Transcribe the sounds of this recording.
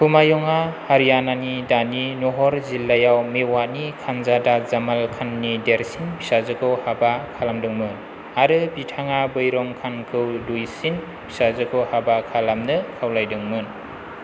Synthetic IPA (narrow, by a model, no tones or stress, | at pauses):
pʰumajɔŋahaɾijananidaninuɦɔɾzilːajawmewat̚nikʰanzadazamalkʰanːideɾsinpʰi̥sazɯkʰɯwhabakʰalamdɯŋmɯn | aɾɯbitʰaŋabɯjɾɔmkʰankʰɯwdujsin | bʰi̥sazɯkʰɯwhabakʰalamnɯkʰawlajdɯŋmɯn